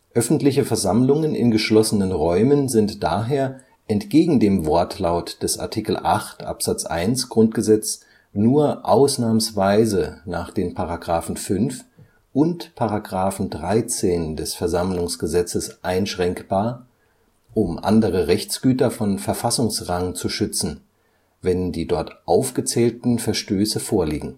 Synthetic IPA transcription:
ʔœfn̩tlɪçəfɛɐzamlʊŋənɪ̰nɡəʃlɔsənənʁɔʏmənzɪntd̥aːɦeːɐ | ʔɛntɡ̥eːɡŋ̩deːmvɔɐtʰlaʊtd̥ɛsʔa̰ɐtʰiːkl̩ʔa̰χtʔa̰pz̥at͡sʔa̰ɪnsɡ̥ʁʊnt̚ɡ̥əzɛt͡s | nuːɐʔaʊsnaːməsv̥aɪzənaːχd̥eːnpʰaʁaɡʁaːfn̩fʏnf | ʔʊntpʰaʁaɡʁaːfn̩dʁaɪt͡seːndɛsfɛɐzamlʊŋsɡ̥əzɛt͡səsʔaɪnʃʁ̥ɛŋkb̥aːɐ | ʔʊmʔa̰ndəʁəʁɛçt͡sɡ̥yːtɐfɔnfɛɐfasʊŋsʁaŋt͡suʃʏt͡sn̩ | vɛndiːdɔɐtʔaʊfɡ̥ət͡sɛːltn̩fɛɐʃtøːsəfoːɐliːɡŋ̩

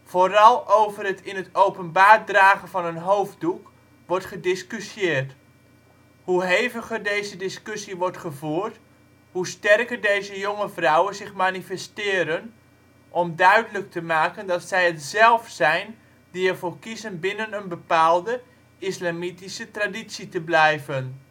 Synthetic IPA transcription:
foːɾɑlˠowvərətʰɪnətowpənbaːrdraːɣənvɑnənɦowvduk | ʋɔɹtχədɪskysjɪːrt | huɦejvəχərdejzədɪskɵsiʋɔɹtχəvuːrt | hustɛrkərdejzəjoŋəvrɔwənzɪχmanifɛstɪːɾən | ʔɔmdœɥdələk̚tʰəmaːkəndɑtsɛjətzɛlˠfsɛjn | diəvoːrkizənbɪnənənbəpaːlˠdə | ɪslamitisətraditsitəblɛjvən

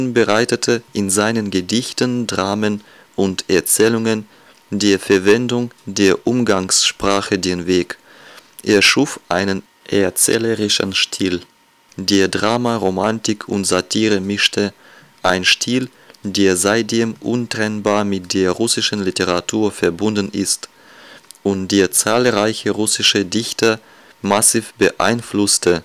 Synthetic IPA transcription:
nbəʁaɪtətʰəʔɪnzaɪnənɡədɪçtəndʁaːmən | ʔʊntɛɐt͡sɛːlʊŋən | deːɐfɛɐvɛndʊŋdeːɐʔʊmɡaŋsʃpʁ̥aːχədeːnveːk | ʔeːɐʃuːfʔaɪnən | ʔɛɐt͡sɛ̰ːləʁɪʃənʃtʰiːl | deːɐdʁaːmaʁomantɪkʰʊntz̥atʰiːʁəmɪʃtʰə | ʔaɪnʃtʰiːl | deːɐzaɪt̚d̥eːmʔʊ̰ntʁ̥ɛnbaːɐmɪt̚d̥eːɐʁʊsɪʃən̩liteʁatʰuːɐfɛɐbʊndn̩ʔɪst | ʔʊntd̥eːɐt͡saːlʁaɪçəʁʊsɪʃədɪçtɐ | masiːfb̥əʔa̰ɪnflʊstə

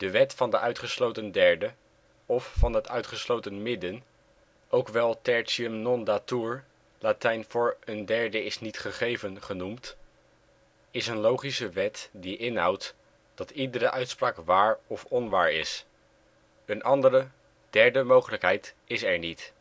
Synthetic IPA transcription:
d̥əʋɛtfɑndəʔœɥtχəslowtəndɛɹdə | ɔfːɑnɦətœɥtχəslowtənmɪdən | ʔowkʋɛlˠtɛɹtsiəmnɔndatuɹ | latɛjnfʊːɹəndɛɹdəɪsnitχəχejvənχənumt | ɪsənlowχisəʋɛtdiʔɪnɦɑ̰wt | d̥ɑtidəɾəʔœɥtspraːkʋaːɹɔfɔnʋaːɹɪ̰s | ənʔɑndəɾə | d̥ɛɹdəmowχələkɦɛjt | ɪsɛɹnit

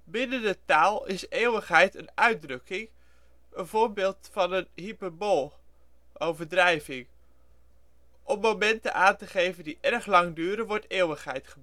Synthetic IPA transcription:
bɪnəndətaːlˠɪseːwəχɦɛjtənœɥ̚drɵkɪŋ | ənvoːɹbɪːlˠtfɑnənɦipəɹbolˠ | ʔowvəɹdrɛjvɪŋ | ʔɔmmowmɛntə̰ʔaːntəχejvəndiʔɛɹχlɑŋdyːɾəʋɔɹteːwəχɦɛjtχəb

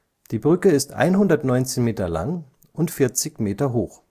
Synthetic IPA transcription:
d̥iːbʁʏkəɪstʔa̰ɪnɦʊndɐtnɔʏnt͡seːnmeːtɐla̰ŋ | ʔʊntfɪɐt͡sɪçmeːtɐɦoːx

